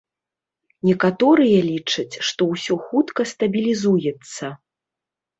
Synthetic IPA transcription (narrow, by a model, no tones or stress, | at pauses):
nʲɛkat̪ɔɾɨjɐlʲit͡ʂɐt͡sʲʂt̪ɔwsʲɔxut̪kɐst̪ɐbʲilʲizujɛt̪sːɐ